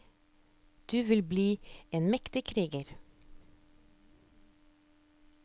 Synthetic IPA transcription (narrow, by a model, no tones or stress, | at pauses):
d̪̥ʉːʋɪlbliːeːnmɛkt̪ɪkʰɾiːɡəɾ